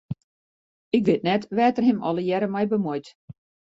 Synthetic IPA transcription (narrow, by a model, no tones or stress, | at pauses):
ɪkʋɪtnɛtʋɛːtərɦɪmɔləjɛɾəmɛjbəmɔjt